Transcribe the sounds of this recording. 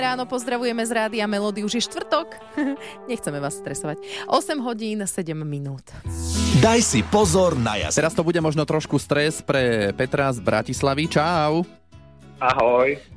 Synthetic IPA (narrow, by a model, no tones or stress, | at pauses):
ɾaːnɔpɔzd̪ɾaʋujɛmɛzɾaːd̪iamɛlɔːd̪iuʒjɛʃt̪ʋr̩t̪ɔk | ɲɛxt͡sɛmɛʋaːsst̪ɾɛsɔʋacʔɔsɛmɦɔɟiːnsɛɟɛmːinuːt̪d̪ajsipɔzɔɾna̰ja̰ɛɾast̪ɔbuɟɛmɔʒnɔt̪ɾɔʃkust̪ɾɛspɾɛpɛt̪ɾazbɾa̰cislaʋit͡ʃaʊ | aɦɔj